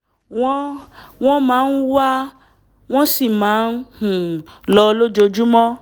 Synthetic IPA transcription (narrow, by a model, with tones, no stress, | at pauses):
wɔ̃˦w̃ɔ̃˦mãː˨˦n̩˦wa˦ | w̃ɔ̃˦si˦˨mãː˨˦n˦hũ˨lɔ˧lo˦d͡ʒo˧d͡ʒu˦mɔ̃˦